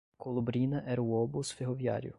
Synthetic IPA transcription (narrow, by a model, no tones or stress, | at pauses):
kɔlˠɔbɾʲinɐʔɛɾwɔbʊsfʲiɦɔʋʲja̰ɾʲʊ̰